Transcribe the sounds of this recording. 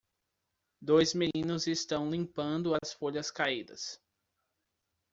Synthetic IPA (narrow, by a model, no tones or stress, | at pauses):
d̪ojzmenĩnʊzest̪ɐ̃w̃lĩmpɐ̃nd̪ʊɐsfoʎɐskaid̪ɐ̰s